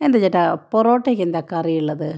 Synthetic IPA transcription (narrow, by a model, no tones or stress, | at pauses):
end̪ɐt͡ɕːɐʈːaporoːʈːeːkːend̪aːkːɐrijuɭːɐðɨ